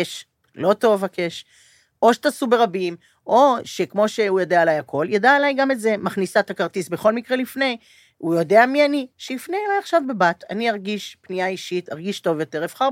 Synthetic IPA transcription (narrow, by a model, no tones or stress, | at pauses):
eʃ | lo̞to̞vhakeʃ | ʔo̞ʃe̥t̪asube̞ʁabim | ʔo̞ʃe̞kmo̞ʃe̞ujodeaelajakʰo̞ljadaelajɡametze̞maχnisat̪akaʁt̪isbe̞χo̞lmikʁe̞lifne̞j | ujo̞de̞amianiʃelifnejlajaχʃavbebat̪a̰niaʁɡiʃpnijaiʃit̪haʁɡiʃto̞vjo̞te̞ʁefχaʁ